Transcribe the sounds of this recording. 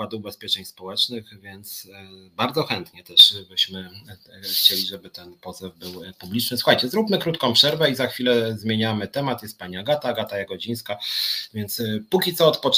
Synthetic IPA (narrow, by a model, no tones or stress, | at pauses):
ad̪ubɛspʲjɛt͡ʂɛɲspɔwɛt͡ʂnɘxvʲjɛnt̪sbaɾd̪zɔxɛnt̪ɲɛt̪ɛʂbɘɕmɘ | xt͡ɕelʲiʐɛbɘt̪ɛnpɔzɛvbɘwpublʲit͡ʂnɘswuxajt͡ɕɛzɾupmɘkɾut̪kɔ̃w̃pʂɛɾvɛizaxfʲilɛzmʲjeɲamɘt̪ɛmat̪jɛst̪̚paɲiaɡat̪aɡat̪ajaɡɔd͡ʑij̃skavʲjɛnt̪spukʲit̪ɔːt̪pɔt͡ʂ